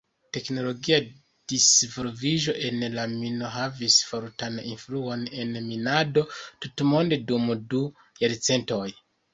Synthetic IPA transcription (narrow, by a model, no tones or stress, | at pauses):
te̞kno̞lo̞ɡia | d̥isvolviʒo̞ʔe̞nlamino̞ɦavisfoɾtanḭnfluo̞ne̞nminado̞tutmo̞nde̞dumdu | jaɾt͡se̞nto̞j